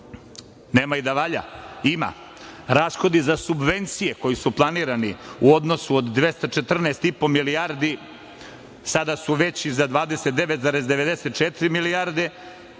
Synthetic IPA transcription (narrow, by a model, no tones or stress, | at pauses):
neːmaid̪aʋaʎa̰ima̰ | ɾasxo̞d̪izasubʋe̞nt̪sijeko̞jisuplˠaniːɾaniuo̞d̪no̞suod̪ːʋe̞st̪at͡ʃet̪r̩neːst̪ipo̞miliaɾd̪i | sad̪asuʋet͡ɕizad̪ʋaːd̪e̞set̪̚d̪e̞ʋet̪zaɾezd̪e̞ʋe̞d̪eset̪t͡ʃet̪ɾimiliaɾd̪e